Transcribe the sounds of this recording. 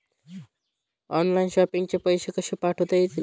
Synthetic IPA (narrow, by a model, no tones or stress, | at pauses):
ɔnlainɕɔpiŋɡt͡ɕepəjɕekəɕiːpaʈʰot̪at̪i